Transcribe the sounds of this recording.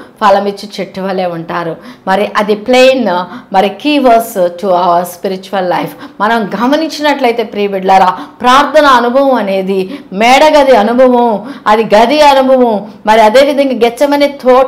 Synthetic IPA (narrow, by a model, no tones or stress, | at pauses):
pɐlɐmit͡ʃːit͡ʃeʈːiʋɐleːuɳʈaːɾumɐɾiʔɐd̪ipleːjnmɐɾikiːʋɐsʈuɐʋɐɾspiɾit͡ʃuɐlːɐjpʰmɐnɐmɡɐmɐniɲt͡ʃinɐʈlɐjt̪e̞ːpɾiːbiɖlɐɾaːpɾaːɾt̪ʰɐnɐːnubʱɐʋɐmɐne̞ːd̪imɛːɽɐɡɐd̪iɐnubʱɐʋɐmɐd̪iɡɐd̪iɐnubʱɐʋɐmmɐɾiɐd̪e̞ːʋid̪ʱɐŋɡaːɡɛt͡ʃːɐmɐneːt̪oː